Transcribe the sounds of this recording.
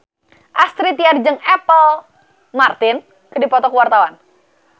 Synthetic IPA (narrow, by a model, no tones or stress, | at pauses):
ʔast̪ɾit̪iard͡ʒɨŋɛpəl | mart̪ɪn | kɨdipɔt̪ɔkəwart̪awan